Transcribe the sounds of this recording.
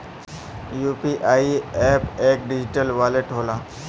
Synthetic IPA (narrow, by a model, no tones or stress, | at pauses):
jupiʔaiɛpek̚ɖid͡ʑiʈəlʋaleʈɦola